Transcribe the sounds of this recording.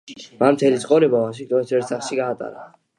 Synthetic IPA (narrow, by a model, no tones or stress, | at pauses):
mamt̪ʰɛlit̪sʼqʼɔɾɛbavaʃiŋk̚t̪ʼɔnisɛɾt̪saχlʃiɡaːt̪ʼa̰ɾa